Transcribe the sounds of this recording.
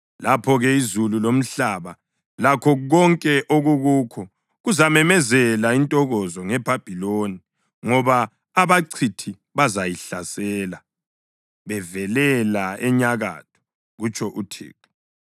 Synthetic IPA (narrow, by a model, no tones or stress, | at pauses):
lapʰɔɣɛizululom̩ɬaβa | lakʰɔɣɔŋkʼɛʔoɣuɣuːkʰɔ | ɣuzamɛmɛzɛlaintʼɔɣɔzɔŋɛb̥ʱab̥ʱiloni | ŋɔβaː | βaǀʰitʰi | βazajiɬa̰sɛːla | βɛvɛlɛlaɛɲaɣa̰ːtʰɔ̥ | ɣut͡ʃʼɔʔutʰḛːǁu̥